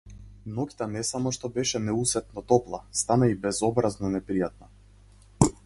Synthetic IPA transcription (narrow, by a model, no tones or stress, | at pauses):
nɔki̥t̪anɛsamɔʃt̪ɔbɛʃɛnɛusɛt̪̚nɔt̪ɔplˠast̪anaibɛzɔbɾaznɔnɛpɾijat̪̚na